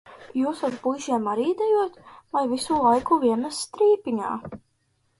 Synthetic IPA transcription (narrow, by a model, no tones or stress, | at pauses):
juːsazbujʒiɛmaɾiːd̪ɛjuɔt̪vajvisulˠajkuvʲiɛmæsːt̪ɾiːpiɲa̰ː